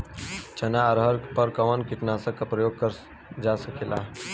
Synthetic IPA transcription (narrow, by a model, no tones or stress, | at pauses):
t͡ʃɐnaəɾɦəɾpəɾkəʋənkɪʈnasəkːapɾəjoːɡ̚kəɾ | d͡ʒasəkela̰